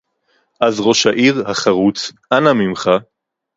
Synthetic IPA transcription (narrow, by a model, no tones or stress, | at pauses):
ʔazʁo̞ʃaʔiʁhaχaʁut͡sʔanamimχa